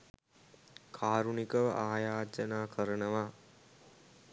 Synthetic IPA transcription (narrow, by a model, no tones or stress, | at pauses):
kʰaːɾunikəʋə̰ʔaːjaːd͡ʒənaːkʰəɾənəʋaː